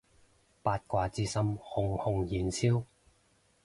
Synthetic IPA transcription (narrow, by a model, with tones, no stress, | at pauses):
paː˧t̚kʷaː˧t͡siː˥sɐ˥mhʊ˨˩ŋhʊ˨˧ŋjiː˨˩nt͡sʰiː˥w